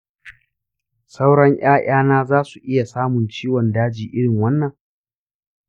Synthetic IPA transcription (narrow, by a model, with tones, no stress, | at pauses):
sa˦wɽɐ˦ɲʔj̰aː˦j̰aː˦naː˦zaː˦su˨ʔɪ˦ja˨saː˦mʊ˨nt͡ʃiː˦wɔ˨ndaː˦d͡ʒiː˨ʔɪ˦ɽɪ˨ŋwɐ˦nːɐ˨ŋ